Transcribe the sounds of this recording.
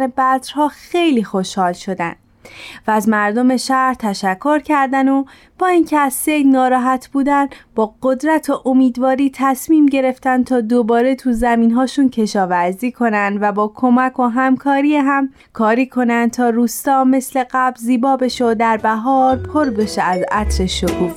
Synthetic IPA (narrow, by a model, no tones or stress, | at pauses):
ebæd̪ɾhɒːxe̞jliːxo̞ʃhɒːlʃo̞d̪æ̰nd̪ | væːzmæɾd̪o̞me̞ʃæɾt̪ʰæʃækʰːo̞ɾcʰæɾd̪æno | b̥ɒːincʰeæzse̞jd̪nɒːɾɒːɦæt̪ʰb̥uːd̪ænb̥ɒːɡod̪ɾæt̪ʰoʔomiːd̪vɒːɾiːt̪ʰæsmiːmɟe̞ɾe̞ft̪ænt̪ʰɒːd̪obɒːɾe̞t̪ʰuzæmiːnɦɒːʃuncʰe̞ʃɒːvæɾziːkʰo̞nænd̪væbɒːkʰo̞mækʰoɦæmkʰɒːɾiːeɦæm | kʰɒːɾiːkʰo̞nænd̪̚t̪ʰɒːɾuːst̪ɒːme̞sle̞ɢæblziːbɒːbe̞ʃeod̪æɾbæɦɒːɾpʰoɾbe̞ʃeæzæt̪ɾe̞ʃokʰuːf